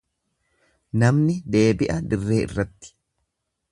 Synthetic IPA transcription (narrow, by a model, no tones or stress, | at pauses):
nɐmnɪd̪e̞ːbɪʔɐd̪ɪrːe̞ːʔɪ̰rːɐt̪ːɪ̥